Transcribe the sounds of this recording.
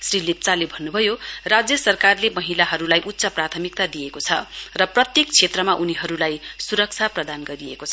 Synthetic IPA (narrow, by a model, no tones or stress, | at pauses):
srilep̚t͡salebʱʌnːubʱʌjorad͡zjʌsʌrkarlemʌɦilaɦʌɾulajʔut̪ːsʌprat̪ʰʌmik̚t̪ad̪ijekot͡sʰʌrʌprʌt̪jek̚t͡sʰet̪rʌmaʔuniɦʌɾulajsuɾʌk̚t͡sʰaprʌd̪anɡʌɾiekot͡sʰʌ